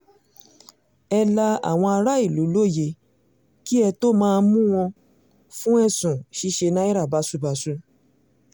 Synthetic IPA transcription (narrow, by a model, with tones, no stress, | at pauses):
ɛ˧la˧a̰˨w̃ɔ̃˧a˧ɾa˦i˦˨lu˨˦lo˦˨je˧ | ki˦ɛ˧to˦mãː˦˧nmũ˦w̃ɔ̃˧ | fũ˦ɛ˦˨sũ˨ʃi˦ʃe˧nã˦i˦ɾa˦˨ba˨˦su˦ba˨su˧˦